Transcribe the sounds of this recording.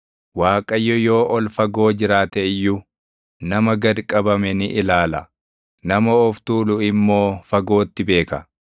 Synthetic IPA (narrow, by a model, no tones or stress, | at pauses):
waːkʼɐjːɔjo̞ːʔɔlfɐɡo̞ːd͡ʒɪɾaːt̪ɛɪjːu | nɐmɐɡɐɾkʼɐbɐmɛnɪʔɪlaːlɐ | nɐmɐɔft̪uːlʊɪmːo̞ːfɐɡo̞ːt̪ːɪbe̞ːkɐ